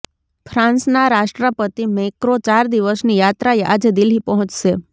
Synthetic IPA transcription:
fʰɾãnsnaɾaʃʈɾəpət̪imekɾot͡ʃaɾd̪iʋəsnijat̪ɾaeʔa̰d͡ʒd̪ɪlipəɦɔ̃t͡ʃʃe

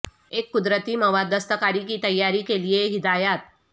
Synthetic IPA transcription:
eːkːʊd̪ɾət̪imɐʋad̪əst̪əkaːɾikit̪ɐjːaːɾikelieɦɪd̪aːjaːt̪̚

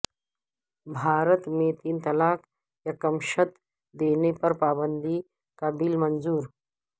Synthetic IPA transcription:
bʱaːɾət̪mẽt̪iːnt̪ɐlaːk | jakɐmʃət̪ | d̪eːnepɐɾpaːbənd̪i | kabiːlmɐnzuːɾ

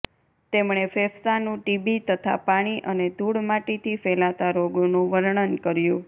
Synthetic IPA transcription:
t̪emɳ̃efefsanũʈibit̪ət̪ʰa̰paɽ̃iʔəned̪ʱuɽmaʈet̪ʰifɛlat̪aɾoɡonũʋəɾɳənkəɾjũ

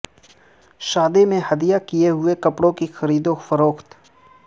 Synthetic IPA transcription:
ʃaːd̪emẽhɐd̪ijakijeɦʊekɐpɽõkixɐɾiːd̪õfɐɾoːxt̪

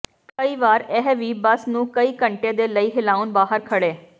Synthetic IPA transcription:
kəiːʋaːɾɛɦʋiːbəsnũːkəiːkəɳʈeːd̪eːləiːɦɪlaːunbaːɦəɾkʰəɽeː

